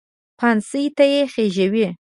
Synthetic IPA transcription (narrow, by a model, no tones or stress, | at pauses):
pʰansəjt̪ajexeʒəwi